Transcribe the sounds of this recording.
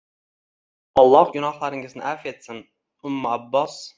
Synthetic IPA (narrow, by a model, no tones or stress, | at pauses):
ɒlˠːɑhɡʊnɑχlˠaɾɪŋɪznɪ̰ʔafet̪sɪn | ʊmːʊabːɑs